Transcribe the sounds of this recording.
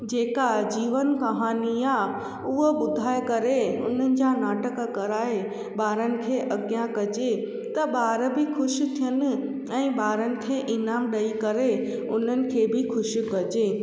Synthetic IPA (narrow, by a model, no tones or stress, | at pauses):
d͡ʑeːkad͡ʑiːʋənkɐɦaːnia | ʊɦəɓʊd̪ʱaːekɐɾeʊ̰n̤ənɪ̆d͡ʑanaːʈəkkɐɾaːe | ɓaːɾənɪ̆kʰeːʔɐɡjãkɐd͡ʑe | t̪ɐɓaːɾbɪxʊʃ̆t̪ʰijənɪ̆ | ɛ̃ːɓaːɾənɪ̆kʰeːʔɪnaːmɗɐikɐɾe | ʊn̤ənɪ̆kʰeːbʱɪxʊʃikɐd͡ʑeː